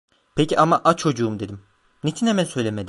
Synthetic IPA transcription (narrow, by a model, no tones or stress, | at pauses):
pʰeciamaʔat͡ʃʰo̞d͡ʒuːumd̪e̞d̪im | net͡ʃʰinhemænsø̞jlʲemed̪i